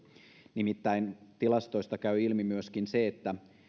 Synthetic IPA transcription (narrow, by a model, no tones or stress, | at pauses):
nimit̪ːæint̪ilɑst̪o̞ist̪ɑkæyilmimyøskinseet̪ːæ